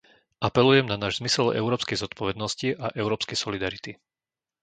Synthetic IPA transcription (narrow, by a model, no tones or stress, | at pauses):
ʔapɛlujɛmnanaːʒzmisɛlɛ̰ʊɾɔːpskɛjzɔt̪pɔʋɛd̪nɔsciʔaʔɛʊɾɔːpskɛjsɔlid̪aɾit̪i